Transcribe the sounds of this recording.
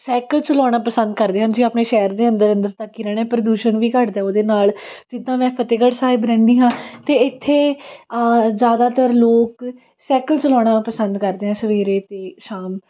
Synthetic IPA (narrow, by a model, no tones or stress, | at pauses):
sɛːkəlt͡ʃəlɔːɽ̃aːpəsə̃nd̪̚kəɾd̪eːɦə̃nd͡ʒiːaːpneːʃɛːəɾd̪eːə̃nd̪əɾə̃nd̪əɾt̪əkːiːɾɛːɽ̃eːpɾəd̪uːʃənʋiːkəʈd̪aːoːd̪eːnaːld͡ʒɪd̪ːãːmɛ̃ːpʰət̪eːɡəɽsaːibɾɛ̃ːnd̪iːɦãːt̪eːɪt̪ʰːeː | zjaːd̪aːt̪əɾloːk | sɛːkəlt͡ʃəlɔːɽ̃aːpəsə̃nd̪kəɾd̪eːɦɛ̃ːsəʋeːɾeːt̪eːʃaːm